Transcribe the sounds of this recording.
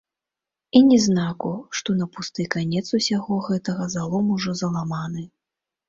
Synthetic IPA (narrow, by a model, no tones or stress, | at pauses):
inʲɛznakuʂt̪ɔnɐpust̪ɨkanʲɛt̪susʲaɣɔɣɛt̪ɐɣɐzalˠɔmuʐɔzɐlˠamanɨ